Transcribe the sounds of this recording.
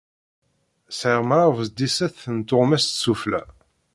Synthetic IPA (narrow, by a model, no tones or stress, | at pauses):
sʕəʁmaɾvəzd̪isæθənt̪ːʊʁmæst̪suflæ̰